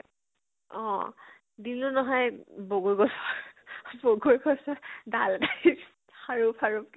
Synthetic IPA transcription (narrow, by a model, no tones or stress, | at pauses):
ɔ̰̃ | dinʊnɔɦɔjboɡuɹɡɔsɔboɡuɹɡɔsɔdalda | haɹupʰaɹup̚k